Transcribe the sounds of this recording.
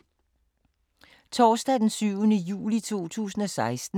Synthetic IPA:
t͡sʰɒːsd̥ɛd̥ensyʊnəjṵːlit͡sʰo̝̰ːt͡sʰṵːsn̩ɒ̽sɑ̈ɪsd̥n̩

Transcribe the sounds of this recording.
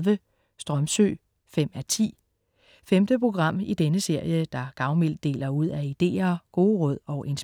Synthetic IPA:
ʋə | sd̥ʁɒmsø̰ː | fem̰æt͡sʰḭː | femd̥əpʰʁo̝ɡ̥ʁɑ̈m̰id̥enəse̝ɐ̰jəd̥ɑ̈ɡ̥ɑ̈ʊmel̰d̥ːe̝̰ːlɐuð̞̰ˠæid̥e̝̰ːɐɡ̥o̝ːʁɔð̰ˠɒ̽ʊʔe̝ns

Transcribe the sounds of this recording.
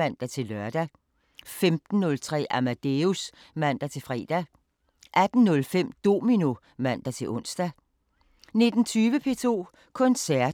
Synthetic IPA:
æn̰d̥æt͡sʰe̝lœɐd̥æ | femd̥n̩ːɔ̽lt͡sʰʁɛ̰ːæmæd̥eus | mæn̰d̥æt͡sʰe̝lfʁɛ̰ːd̥æ | ʔæd̥n̩nɔ̽lfem̰d̥o̝ːminu | mæn̰d̥æt͡sʰe̝lʔɔ̽n̰sd̥æ | ne̝d̥n̩t͡sʰyːʋəpʰe̝̰ːt͡sʰo̝̰ː | kʰɔ̽nsæɐ̰

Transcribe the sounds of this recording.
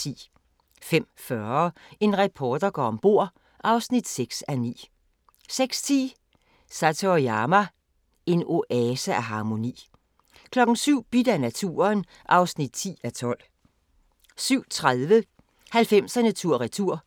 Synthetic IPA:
ḭː | fem̰fɶɐ | e̝nʁɛpʰɒːd̥ɐɡ̥ɒ̰ɒmb̥o̝ɐ̰ | ʔɑ̈ʊsnid̥seɡ̥sænḭː | seɡ̥st͡sʰḭː | sæt͡sʰojɑːmæ | e̝no̝ʔɛsææɦɑ̈ːmo̝nḭː | kʰlɒ̽ɡ̥n̩syʊ̰b̥id̥ænæt͡sʰṵːɐn | ʔɑ̈ʊsnid̥̚t͡sʰḭːæt͡sʰɒ̽l̰ | syʊ̰t͡sʰʁaðˠʋə | hælfem̰sænæt͡sʰuɐ̰ʁit͡sʰuɐ̰

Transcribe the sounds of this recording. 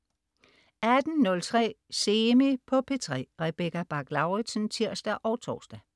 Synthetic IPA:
æd̥n̩nɔ̽lt͡sʰʁɛ̰ːsemepʰɒ̽pʰe̝t͡sʰʁɛ̰ːʁɛb̥ekæb̥ɑ̈ɡ̥lɑ̈ʊʁid̥sənt͡sʰiɐ̰sd̥æʔɒ̽ʊt͡sʰɒ̰ːsd̥æ

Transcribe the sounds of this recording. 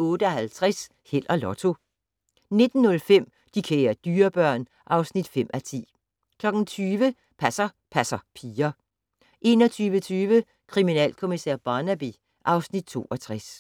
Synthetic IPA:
ɔ̽ːd̥əɒhælt͡sʰʁas | hel̰ʔɐlɒt͡sʰo̝ | ne̝d̥n̩nːɔ̽lfem̰ | d̥ikʰḛːɐd̥yːɐb̥ɶɐ̰n | ʔɑ̈ʊsnid̥fem̰ʔæt͡sʰḭː | kʰlɒ̽ɡ̥n̩t͡sʰyːʋə | pʰæsɐ | pʰæsɐpʰiːɐ | ʔe̝̰ːnɒ̽t͡sʰyːʋət͡sʰyːʋə | kʰʁiminɛ̰ːlkʰo̝misɛ̰ɐ̰b̥ɑːnæb̥i | ʔɑ̈ʊsnid̥̚t͡sʰo̝̰ːɒ̽t͡sʰʁas

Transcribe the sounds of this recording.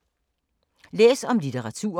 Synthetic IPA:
lḛːsɒ̽mlit͡sʰeʁɑ̈t͡sʰṵːɐ

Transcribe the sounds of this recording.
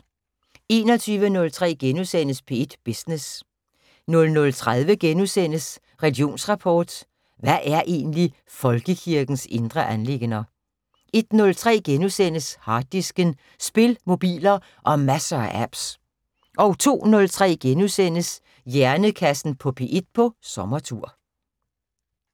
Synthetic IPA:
e̝̰ːnɒ̽t͡sʰyːʋənɔ̽lt͡sʰʁɛ̰ːɡ̥enusen̰əspʰe̝ed̥b̥isnes | nɔ̽lnɔ̽lt͡sʰʁað̞ˠʋəɡ̥enusen̰əs | ʁɛlɡ̥io̝̰ːnsʁɑ̈pʰɒːd̥ | ʋæʔæɐʔe̝̰ːnli | fɒ̽lɡ̥əkʰiɐɡ̥n̩se̝nd̥ʁɐʔænle̝ɡ̥nɐ | e̝d̥nɔ̽lt͡sʰʁɛ̰ːɡ̥enusen̰əshɑ̥̈ːisɡ̥ən | sb̥e̝lmo̝b̥ḭːlɐ | ʔɒ̽mæsɐʔæb̥s | ʔɒ̽ʊt͡sʰo̝̰ːnɔ̽lt͡sʰʁɛ̰ːɡ̥enusen̰əs | jæɐnəkʰæsn̩pʰɒ̽pʰe̝ːʔe̝d̥̚pʰɒ̽sɒ̽mɐt͡sʰuɐ̰

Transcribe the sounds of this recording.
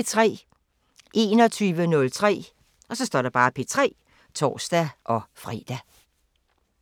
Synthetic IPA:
t͡sʰʁɛ̰ː | ʔe̝ːnɒ̽t͡sʰyːʋənɔ̽lt͡sʰʁɛ̰ː | ɒ̽sɒ̽sd̥ɒ̰ːdɾɑ̈b̥ɑ̈ːpʰe̝t͡sʰʁɛ̰ː | t͡sʰɒ̰ːsd̥æʔɒ̽fʁḭːd̥æ

